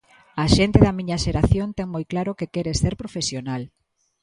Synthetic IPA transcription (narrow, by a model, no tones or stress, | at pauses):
ɐʃent̪eðɐmĩɲɐʃeɾaθjont̪ɛŋmojklaɾokekɛɾeseɾpɾofesjonal